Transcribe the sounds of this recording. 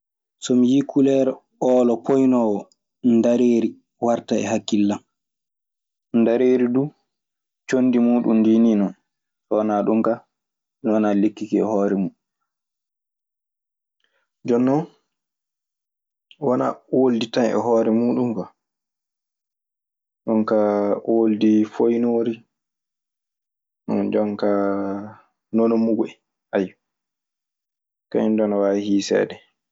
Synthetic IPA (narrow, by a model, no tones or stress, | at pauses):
sɔmijikʰulɛɾ | ɔːlɔpʰojnɔwɔ | ndaɾeːɾi | waɾtaɛ̰ɦakːilːam | ndaɾeːɾidu | t͡ʃonːdimuːɗundiːniːnɔn | sɔwanaɗuŋka | nwanalekːikiɛ̰hɔːɾɛmuːɗu | d͡ʒɔnːɔn | wana̰wolditanɛ̰ɦɔːɾɛmuːɗumkɔ | ɗɔŋkawoldifojnoːɾi | nɔ̰d͡ʒɔŋka | nonɔmuɡɔɛ | ʔaj | kaɲindɔnɔwahiːsɛ̰ːdɛ